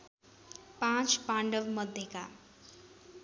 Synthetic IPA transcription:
pãt͡ʃpãɳɖʌbmʌd̪ʱjeka

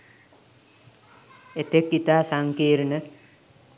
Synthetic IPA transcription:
et̪ekːit̪aːsaŋkeːɾnə

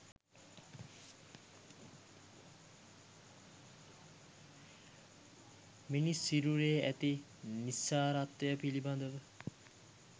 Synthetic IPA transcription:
minisːiɾuɾeːæt̪i | nisːaːɾat̪ʋəjəpiliband̪əʋə

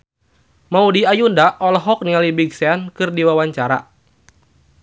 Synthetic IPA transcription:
maudiajundaʔɔlɔɦɔk̚niŋalibiɡsɛankɨrdiwawaɲt͡ʃaɾa̰

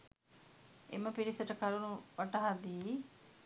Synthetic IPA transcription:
ḛməpiɾisəʈəkɐɾunuʋɐʈəɦad̪iː

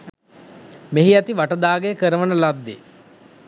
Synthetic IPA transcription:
meɦiæt̪iʋaʈəd̪aːɡejəkəɾəʋənəlad̪ːḛ

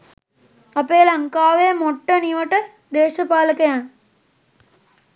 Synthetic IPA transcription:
ɐpeːlɐŋkaːʋeːmɔʈːɐniʋɐʈːɐ | d̪eːʃɐpaːlɐkːɐjaːn

